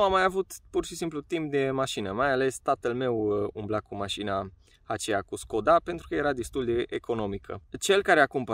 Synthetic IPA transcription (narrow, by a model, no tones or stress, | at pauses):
amajavut̪purʃisimplut̪imp̚d̪e̞maʃinəmajale̞st̪at̪əlme̞wumblakumaʃina | at͡ʃejakusko̞d̪ape̞nt̪ɾukəje̞ɾad̪e̞st̪uld̪eeʔekʰo̞no̞mikʰə̰t͡ʃe̞lkaɾeakumpə